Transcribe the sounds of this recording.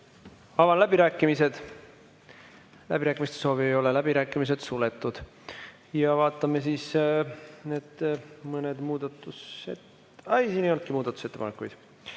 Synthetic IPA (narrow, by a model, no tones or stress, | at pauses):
ɑvɑnlæbiɾæːkːˑimise̞d̪̥ | læ̰b̥iɾæːkːˑimist̪eso̞ːviejo̞lelæbiɾæːkːˑimis̬ed̪̥sule̞t̪ːˑud̪̥ | jɑvɑːt̪ːˑɑmesiːs | ned̪̥mɤned̪muːd̪̥ɑt̪ːˑuset̪ | ɑejsiːnejo̞lt̪kimuːd̪̥ɑt̪u̥se̞t̪ːepɑnekːˑujd̪̥